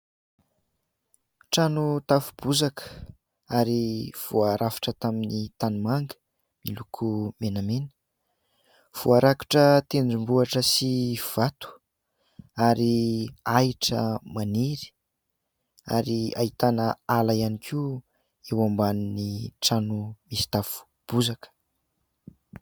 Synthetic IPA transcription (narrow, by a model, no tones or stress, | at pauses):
ʈ͡ʂanut̪afub̥uzakʰə̥ | aɾiv̥uaɾʔafi̥ʈ͡ʂət̪aminit̪anumaŋɡə̥ | milukʰumenamenə̥ | v̥uaɾaki̥ʈ͡ʂət̪eɳɖ͡ʐimbuaʈ͡ʂəsiv̥at̪u̥ | aɾiaiʈ͡ʂə̰maniɾi̥ | a̰ɾia̰it̪anəalaianikʰi | ewambaniniʈ͡ʂanumisi̥t̪afu̥ | b̥uzakə̥